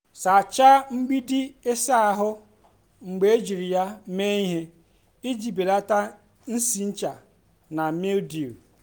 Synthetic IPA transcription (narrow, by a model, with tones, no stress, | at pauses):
sa˨t͡ʃa˦ŋ͡m̩˦ɡ͡bi˦dɪ˦e˦sa˦a˨ɦʊ˦ | ŋ͡m̩˨ɡ͡be˨e˦d͡ʒi˨ɾi˨ja˦me˦i˦ɦe˦ | i˦d͡ʒi˨be˨la˦ta˦ | n̩˦si˨n̩˦t͡ʃa˨ | na˨me˦ldi˨ɾ